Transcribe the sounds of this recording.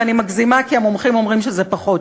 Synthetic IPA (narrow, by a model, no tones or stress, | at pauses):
animaɡzimakiamomχimo̞mʁimʃezepaχot